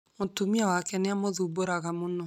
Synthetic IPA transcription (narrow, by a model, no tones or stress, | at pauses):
motumiawakɛneamoðuboɾaɣamonɔ